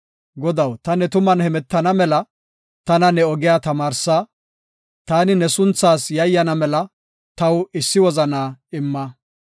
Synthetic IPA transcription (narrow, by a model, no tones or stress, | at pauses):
ɡɔd̪ɐwt̪ɐnɛt̪ʊmɐnhɛmɛt̪ːɐnɐmɛlɐ | t̪ɐnɐnɛɔɡɪjaːt̪ɐmaːɾsa | t̪aːnɪnɛsʊnt͡sːaːsjɐjːɐnɐmɛlɐ | t̪ɐwɪsːɪwɔzɐnaːɪmːɐ